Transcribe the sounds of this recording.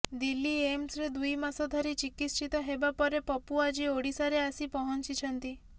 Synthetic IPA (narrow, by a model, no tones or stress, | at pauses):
d̪ilːiemsɾed̪ujmasɔd̪ʱaɾit͡ʃikit̪ʃit̪ɔɦebapɔɾepɔpuad͡ʒioɽisaɾeasipɔɦɔnt͡ʃit͡ʃʰənt̪i